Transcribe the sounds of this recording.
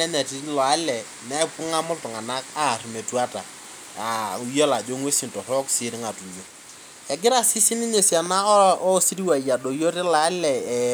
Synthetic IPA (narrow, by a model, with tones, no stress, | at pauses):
ɛ˦nɛ˨ti˦lɔ˨a˨˦lɛ˨ | nɛ˦pʊ˦ŋa˦mʊ˦ltʊ˨ŋa˨na˦ka˦˨ɾi˨me˨tu˦a˦ta̰˨ | a˨u˨˦jo˦la˨d͡ʒo˦ŋwe˦si˨ntɔ˨ɾɔ˦ksi˨˦ɾɪ˦ŋa˨tu˨jo˨ | ɛ˨ɡɪ˦ɾa˦si˦si˦ni˦ɲe˨sja˨na˦ɔ˦si˦ɾi˦wa˨ja˨do˨jo˦ɾe˦la˨˦lɛ˨